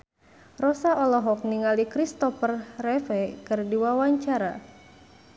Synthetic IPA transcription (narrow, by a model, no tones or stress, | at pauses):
rɔsaɔlɔɦɔk̚niŋalikɾist̪ɔfərrɛfɛkɨrdiwawaɲt͡ʃaɾa